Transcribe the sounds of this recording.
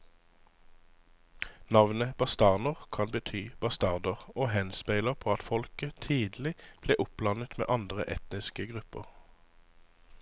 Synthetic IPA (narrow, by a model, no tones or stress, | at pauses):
nɑʋnəb̥ɑst̪ɑʁnəʁkʰɑnbət̪ʰyːb̥ɑst̪ɑʁd̪əʁoːhɛnspæɪləʁpʰoːɑt̪fɔlkət̪ʰiːd̪l̩ɪb̥leːʔʊp̚lɑnət̪mḛːʔɑnd̪ʁə̰ʔɛ̰t̪nɪskəɡʁʉpəʁ